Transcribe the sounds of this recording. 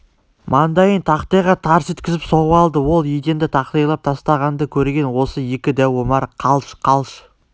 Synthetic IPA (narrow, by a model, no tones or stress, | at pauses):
mʔɑnd̪ɑjənt̪ʰɑqt̪ɑjʁɑt̪ʰɑɾəset̪kʲɪzɪpsoʁəɑlˠd̪əwo̞lˠjejd̪e̞nd̪ɪt̪ʰɑqt̪ɑjlˠɑp̚t̪ʰɑst̪ɑʁɑnd̪əkʲʰɵɾɡʲe̞nwo̞səje̞kʲɪd̪æwomɑɾqʰɑlˠʃqʰɑlˠʃ